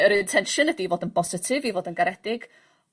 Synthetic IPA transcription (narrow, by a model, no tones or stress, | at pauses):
əɾɨntʰɛnʃɨnədivoːdənbɔsɪtʰɪvivoːdənɡaɾɛd̥ɪɡ̥